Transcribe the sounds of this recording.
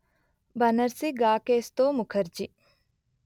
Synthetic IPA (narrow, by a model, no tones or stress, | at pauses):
bɐnɐɾsiɡaːkeːst̪oːmʊkʰəɾd͡ʒi